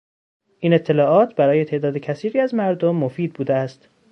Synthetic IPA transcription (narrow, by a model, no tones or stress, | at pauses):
ʔiːne̞t̪ʰːe̞lɒːʔɒːt̪ʰbæɾɒːje̞t̪ʰe̞ʔd̪ɒːd̪ecʰæsiːɾiːæzmæɾd̪omːofiːd̪̚buːd̪eæst̪